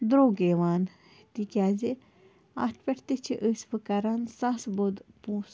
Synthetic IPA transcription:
d̪ɾoːɡeːʋaːn | t̪ikʲaːze | a̰t̪ʰpʲeʈʰt̪et͡ʃʰiʔəsʲpɨkɐɾansãsbod̪pũːs

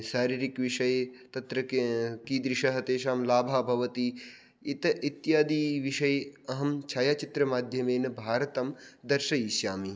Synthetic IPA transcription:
ʃaːɾiːɾikʋiʃɐjt̪ɐt̪ɾɐkiːd̪ɾɪʃɐɦɐt̪eːʃaːmlaːbʱaːbʱɐʋɐt̪i | it̪ɐʔit̪jaːd̪iːʋiʃɐjɐɦɐmt͡ʃʰaːjaːt͡ʃit̪ɾɐmaːd̪ʱjɐmeːnɐbʱaːɾɐt̪ɐmd̪ɐɾʃɐiːʃjaːmi

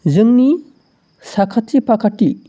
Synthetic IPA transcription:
zɯŋni | sakʰatʰːipakʰatːi

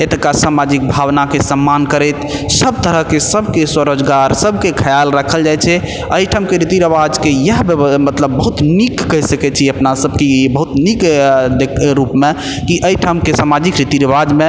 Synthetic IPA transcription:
et̪kasamad͡ʒik̚bʱawnakesəmːankəɾət̪səb̚t̪əɾəɦkesəbʱkeswəɾəd͡ʒɡaɾsəbʱkekʰəjalɾəkʰəld͡ʒajt͡ʃʰɛ | əiʈʰamkeɾit̪iɾəbad͡ʒkejəɦbəmət̪ləbːəɦut̪nikːəɦsəkɛt͡ʃʰiəpnasəbʱkebəɦut̪nikd̪ekɾupme | kiʔəiʈʰəmkesamad͡ʒikɾit̪iɾəbad͡ʒmẽ

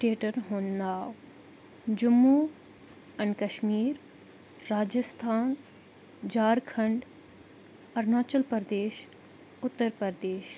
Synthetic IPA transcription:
ʈeːʈəɾɦõːnd̪aːw | d͡ʑʊmːuː | ɐnkɐʃmiːɾː | aːd͡ʒəst̪ʰaːn | d͡ʑaːɾkʰɐ̃ɳɖ | ɐɾnaːt͡ʃəlpəɾd̪eːʃ | ʊt̪ːəɾpəɾd̪eːʃ

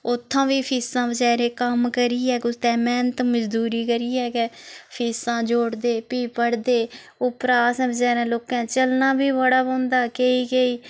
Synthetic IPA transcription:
ʊt̪ʰːãːʋiːpʰiːsãːbəd͡ʒaːɾẽːkəmkəɾiːɛːkʊt̪ɛ̃ːmɛ̃ːnt̪məd͡ʒd̪uːɾiːkəɾiːɛːkepʰiːsãːd͡ʒoːɽd̪eːpiːpəɽd̪eː | ʊpɾaːsɛ̃ːbəd͡ʒaːɾɛ̃ːloːkɛ̃ːt͡ʃəlnãːbiːbəɽaːbõːnd̪aːkeiːɡeiː

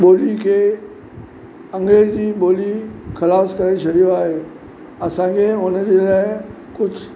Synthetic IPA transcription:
ɓoːlikʰeː | ɐ̃ŋɡɾeːd͡ʑiːɓoːlixɐlaːskɐɾet͡ɕʰɐɗijoaːɦeː | ɐsãːkʰeʊnəd͡ʑeːlaːɪ | kʊd͡ʑʱʊ

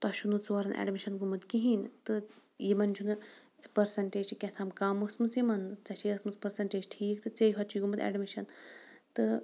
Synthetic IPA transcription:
t̪ɐʃunut͡saɾɐnʔɛ̰ɖmiʃɐnɡumɨt̪kiɦint̪ɨ | jimɐnd͡ʒʰunɨ | pɐɾsɐɳʈeːd͡ʒkʲɛt̪ʰamkaːmɐsmɨsjimɐnt͡sɐʃiɐsmɨspɐɾsɐɳʈeːd͡ʒʈʰiːkt̪ɨt͡sejɦɐt͡ʃʰiɡumɐd̪ɛ̰ɖmiʃɐnt̪ɨ

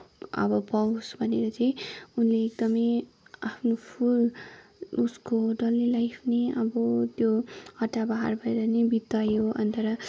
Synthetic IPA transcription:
ʌ̰bʌpaw̃sbʱʌneɾʌt͡saj̃unleːkd̪ʌmʌjapʰnopʰul | uskoɖʌlilajpʰneʌbʌt̪johʌʈːabaɦa̰rbʱʌjɾʌnebit̪ːʌjoʌ̰nt̪ʌɾʌ

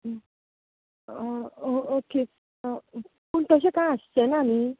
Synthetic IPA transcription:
ooke | puɳt̪əɕ̬ekaəst͡ɕenani

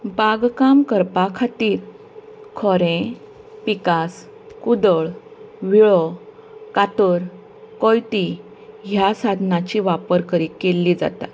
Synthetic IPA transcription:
baɡkamkəɾpakʰat̪iːɾ | kʰɔɾẽ | pikas | kud̪əɭʋiɭɔ | kat̪əɾ | kɔjt̪i | ɦjasad̪ʱnat͡ɕiʋapəɾkəɾiːkːelːid͡za̰t̪a̰

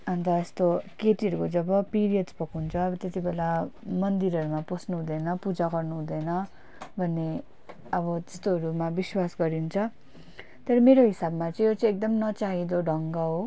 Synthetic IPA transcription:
ʌnt̪aest̪okeʈiʌɾukod͡zʌbʌpiɾijʌdd͡zpʌkɦunt͡sʰʌʌbʌt̪et̪ibelamʌnd̪iɾʌɾumaposnuɦũd̪ʌjnʌpud͡zaɡʌrnuɦũd̪ʌjnʌ | bʱʌnːe | ʌbʌt̪e̥st̪oɦʌɾumabiswasɡʌɾiɦunt͡sʰʌ | t̪ʌɾʌmeɾoɦisabmat͡sʌĩjot͡sʌĩek̚d̪ʌmnʌt͡saɦid̪oɖʱʌŋɡʌɦo

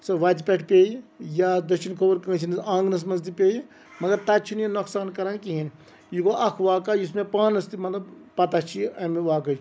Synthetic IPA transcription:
sɐʋaːt̪ipʲeʈʰpʲeːjijad̪ɐʃʰinkʰoʋɐɾkə̃ːt͡ʃʰinisãːŋɡnɐs̬mɐzd̪ipʲeːji | mɐɡɐɾt̪at͡ʃʰinjinoksaːnkɐɾankiɦin | jikoʔɐkʰʋaːkaːjusmẽpaːnɐst̪imɐt̪lɐbpɐt̪at͡ʃʰiɐmeʋaːkɐj

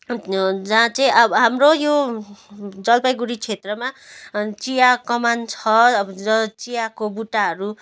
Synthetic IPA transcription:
d͡zaãt͡saĩʌbɦamrojo | d͡zʌlpʌjɡuɽit͡sʰet̪rʌmat͡sijakʌmant͡sʰʌʌt͡sijakobuʈaɦʌɾu

